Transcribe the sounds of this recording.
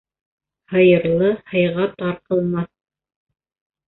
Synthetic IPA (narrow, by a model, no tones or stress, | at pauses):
hɤ̆jɤ̆ɾlˠɤhɤ̆jʁɑt̪ɑɾqɤ̆lˠmɑθ